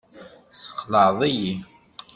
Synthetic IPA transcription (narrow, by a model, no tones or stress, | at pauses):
sə̥qːləðˤiji